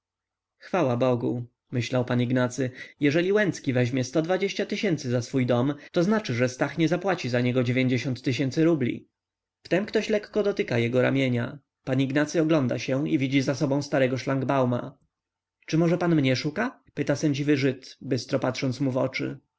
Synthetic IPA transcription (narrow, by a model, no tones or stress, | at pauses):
xfawabɔɡu | mɘɕlawpaniɡnat̪sɘjɛʐɛlʲiwɛnt̪skʲivɛʑmʲjɛst̪ɔd̪vad͡ʑeɕt͡ɕat̪ɘɕɛnt̪sɘzasfujd̪ɔmt̪ɔznat͡ʂɘʐɛst̪axɲɛzapwat͡ɕizaɲɛɡɔd͡ʑevʲjeɲd͡ʑeɕɔ̃nt̪ːɘɕ̬ɛnsɘɾublʲḭ | ft̪ɛmkt̪ɔɕlɛkːɔd̪ɔt̪ɘkajɛɡɔɾa̰mʲjeɲa̰ | paɲiɡnat̪sɘɔɡlɔnd̪a̰ɕɛivʲid͡ʑizasɔbɔ̃st̪aɾɛɡɔʂlaŋɡbawma̰ | t͡ʂɘmɔʐɛpanmɲɛʂuka | pɘt̪asɛɲd͡ʑivɘʐɘt̪bɘst̪ɾɔpat̪ʂɔnt̪smuvɔ̰t͡ʂɘ̰